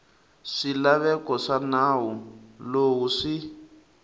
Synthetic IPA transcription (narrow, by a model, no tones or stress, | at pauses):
ʂilaβɛkɔʂanaːwulowuʂi